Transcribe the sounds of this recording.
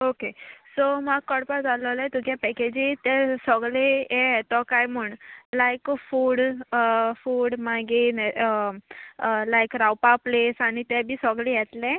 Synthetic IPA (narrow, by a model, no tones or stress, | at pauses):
okesɔmaɡ̚kəɽpad͡zaləlajt̪ukjapɛked͡ʑit̪ɛsəɡlejet̪ɔkajməɳlajkfuːɽ | fuːɽmaɡen | lajkɾawpaplesaɽ̃it̪ɛbʱiːsɔɡlijɛt̪lẽ